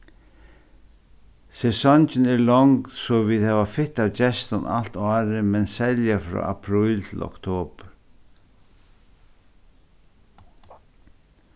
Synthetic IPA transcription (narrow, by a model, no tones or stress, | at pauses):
sɛsɔnt͡ʃɪnɛɾlɔŋksɔviðhɛːvafɪt̪awt͡ʃɛst̪ana̰l̥t̪ɔːɾɪmɛnsɛljafɾɔ̰ːʔa̰pʰɾujlt̪ʰɪlɔ̰kt̪ʰoːpɾ